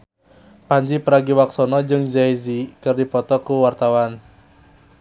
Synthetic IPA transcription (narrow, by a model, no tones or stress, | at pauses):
paɲd͡ʒipəɾaɡiwaksɔnɔd͡ʒɨŋzajzikɨrdipɔt̪ɔkuwart̪awan